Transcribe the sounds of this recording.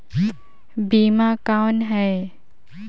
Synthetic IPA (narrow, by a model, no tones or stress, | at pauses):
biːmakawnɦɛ